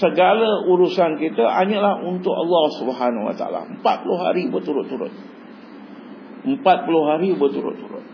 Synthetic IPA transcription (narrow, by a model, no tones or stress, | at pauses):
səɡaləuɾusankit̪əʔaɲəlahunt̪ʊkɑ̰lːɔhsubəɦanawa̰t̪a̰a̰la̰əmpat̪̚pulʊhɦa̰ɾibərt̪uɾʊt̪ːuɾʊ̰t̪̚ | əmpat̪̚pulʊhɦaɾibərt̪uɾʊ̰t̪ːuɾʊ̰t̪̚